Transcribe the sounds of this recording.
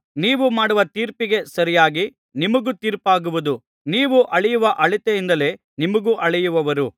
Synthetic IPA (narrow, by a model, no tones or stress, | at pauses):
niːʋumaːɽuʋɐt̪iːɾpiɡe̞sɐɾijaːɡi | nimɐɡut̪iːɾpaːɡuʋud̪u | niːʋuʔɐɭɛjuʋɐʔɐɭit̪eind̪ɐle̞ | nimɐɡuʔɐɭɛjuʋɐʋɐɾu